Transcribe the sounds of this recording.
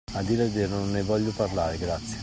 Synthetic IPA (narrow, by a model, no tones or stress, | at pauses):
ad̪iːɾeveɾononːevɔʎːʊparlaːɾeɡɾat̪sːje